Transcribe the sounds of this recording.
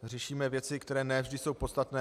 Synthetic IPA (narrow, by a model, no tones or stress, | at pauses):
rɛʃiːmɛvjɛt͡sɪkt̪ɛɾɛːnɛvʒdɪso̞wpo̞t̪st̪at̪nɛː